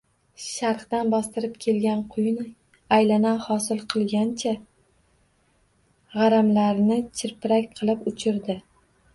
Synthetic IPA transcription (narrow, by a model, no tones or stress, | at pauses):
ʃaɾqd̪anbɒst̪ɪɾɪp̚kʲʰe̞lɡʲanqʰʊjʊn | ajlanahɒsɪlˠqʰɨlˠɡʲant͡ʃʰa | ʁɑɾamlaɾnɪt͡ʃʰɪɾpɪɾakʲqʰɨlˠɪpʊt͡ʃʰɪɾd̪ɪ